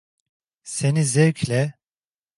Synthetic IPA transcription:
senizɛɾclʲɛ

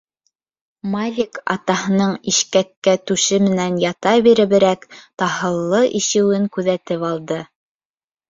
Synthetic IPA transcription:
malʲikɑ̰t̪ɑɦɤ̆nɤɴiʃkækːæt̪ʉʃɘmɘ̆nænjɑt̪ɑbiɾɘ̆βɘ̆ɾækt̪ɑhɤ̆lˠːɤʔiʃɘ̆wɘŋkʉðæt̪ɘpɑlˠd̪ɤ

